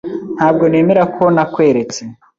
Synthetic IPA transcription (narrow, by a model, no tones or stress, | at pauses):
n̥haːb̚ɡo̞ne̞ːme̞ɾakʰo̞nakwe̞ːɾe̞t͡se